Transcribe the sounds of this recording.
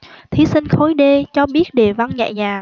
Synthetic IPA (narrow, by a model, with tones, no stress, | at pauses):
t̪ʰi˨˦sï˧ŋ̟xo˨˦jɗe˧t͡ɕɔ˧ɓi˦˥ət̚ɗe˨˩va˧nɲa̰˧˨jzaː˨˩